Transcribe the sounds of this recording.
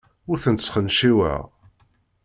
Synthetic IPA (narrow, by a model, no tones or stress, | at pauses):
ʊɾθənsχənʃiwə̰ʁ